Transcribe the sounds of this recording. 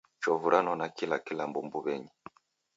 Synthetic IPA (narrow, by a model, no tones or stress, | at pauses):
t͡ʃɔvuɾʔanɔnakilakilambumbuβɛɲi